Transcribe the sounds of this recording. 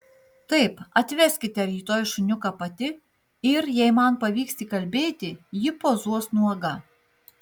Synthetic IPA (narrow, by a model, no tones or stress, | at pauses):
t̪ɐɪpɐt̪ʲʋʲɛsʲkʲɪt̪ʲɛɾʲiːt̪oːjʃʊnʲʊkɑpɐt̪ʲɪ | ɪɾjɛɪmɐnpɐʋʲiːkst̪ʲiːkɐlʲbʲeːt̪ʲɪjɪpoːzuɔsnuɡɐ